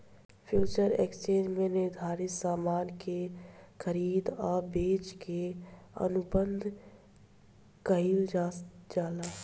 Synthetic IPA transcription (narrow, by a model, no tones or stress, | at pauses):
pʰjuːt͡ʃəɾḛkst͡ʃẽːd͡ʒmẽnɪɾd̪ʱaːɾɪt̪saːmaːnkexʰəɾiːd̪ɔːɾbeːt͡ʃkeə̰nʊbənd̪ʱ | kəɦild͡ʒd͡ʒaːlaː